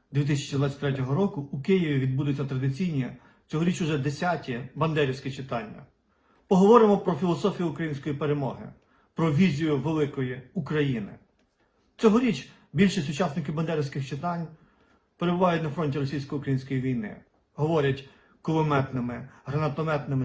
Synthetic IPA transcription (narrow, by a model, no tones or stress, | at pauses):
d̪ʲʋʲit̪̬ɪsʲɐ̥t͡ʃid̪ʋɑt͡sʲɐ̥t̪ʲɾɛtʲɔɦɔɾɔkʊːkɪjiʋʲiʋʲid̪̚bud̪ʊt͡sʲːɐt̪ɾɐd̪ɪt͡sʲijnʲi | t͡sʲɔɦɔɾʲit͡ʃʊʒɛd̪esʲatʲibɐnd̪ɛɾʲiwsʲkɪt͡ʃɪt̪ɑnʲːɐ̰ | pɔɦɔʋɔɾɪmɔpɾɔfʲilˠɔsɔfʲijuʊkɾɐjinʲsʲkɔjipeɾemɔ̰ɦɪ̰ | pɾɔʋʲizʲijʊʋelˠɪkɔjiukɾɐjinɪ̰ | t͡sʲɔɦɔɾʲit͡ʃ | bʲilʲʃisʲʊt͡ʃɑsnɪkɪbɐnd̪ɛɾʲɪwsʲkɪxt͡ʃɪt̪ɑnʲ | peɾebʊʋɑjʊtʲnɐfɾɔnʲtʲiɾɔsʲijsʲkɔjukɾɐjinʲsʲkɔjiʋʲijnɪ̰ | ɦɔʋɔɾʲɐtʲ | kɔʋɔmɛt̪nɪmɪɦɾɐnɐt̪ɔmɛt̪nɪmɪ